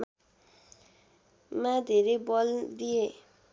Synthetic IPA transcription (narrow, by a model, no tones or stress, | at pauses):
mad̪ʱeɾejbɔld̪ie